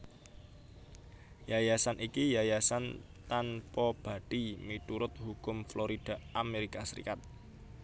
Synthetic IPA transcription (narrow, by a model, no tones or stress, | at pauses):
jajasanʔikijajasan | t̪anpɔb̥a̤ɖ̥imit̪uɾʊt̪̚hukʊmfloɾid̥a̤ʔameɾikasəɾḭkat̪̚